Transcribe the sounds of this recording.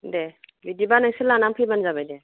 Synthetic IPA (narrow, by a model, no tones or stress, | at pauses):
debidibanajsɯlanampʰibanzabajde